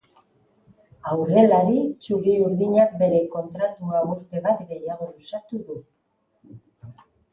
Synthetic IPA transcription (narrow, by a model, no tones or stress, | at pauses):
awre̞laɾit͡ʃuɾiuɾðiɲak̚be̞ɾe̞ko̞nt̪ɾat̪uauɾt̪e̞βat̪ɡe̞jaɣ̞o̞lusat̪uðu